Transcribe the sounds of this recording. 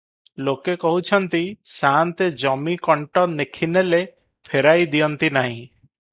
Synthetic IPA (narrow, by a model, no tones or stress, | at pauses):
lokekɔɦut͡ʃʰɔnt̪isant̪ed͡ʒɔmikɔɳʈɔnekʰinele | pʰeɾajd̪ijɔnt̪inaɦĩ